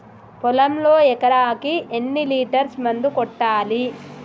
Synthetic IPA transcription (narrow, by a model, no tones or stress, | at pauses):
pɔlɐmloːɛkɐɾaːkienːiliːʈɐɾsmɐnd̪ukɔʈːaːli